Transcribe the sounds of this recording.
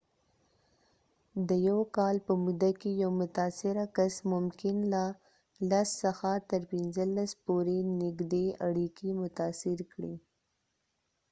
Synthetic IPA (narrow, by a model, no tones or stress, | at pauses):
d̪əjawkɑlpəmud̪akejawmʊt̪asɪɾakasmʊmkɪnla | lasːəxat̪əɾpɪnzəlaspoɾenɪɡd̪eaɽikimʊt̪ɑsɪɾkɽi